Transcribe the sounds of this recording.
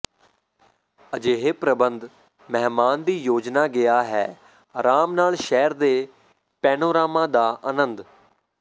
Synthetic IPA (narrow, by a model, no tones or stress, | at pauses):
əd͡ʒeːɦeːpɾəbənd̪ | mɛɦmaːnd̪iːjoːd͡ʒnaːɡɪjaːɦɛː | ɾaːmnaːlʃɛːɾd̪eː | pɛːnoːɾaːmãːd̪aːʔənənd̪